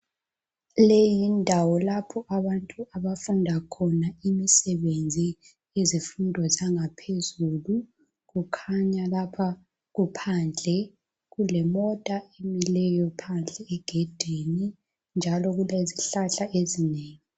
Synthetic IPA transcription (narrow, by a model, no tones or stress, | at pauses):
lejindʱawɔlapʰɔʔaβantʼuʔaβafundʱakʰɔnaimisɛβend͡zʱi | ezifundʱɔzaŋapʰezulu | ɣukʰaɲalapʰa | ɣupʰand͡ɮʱɛ | ɣulɛmɔtʼaemilɛjɔpʰand͡ɮʱɛɛɡ̥ʱed̥ʱeni | nd͡ʒʱalɔɣuleziɬaɬaezineːŋi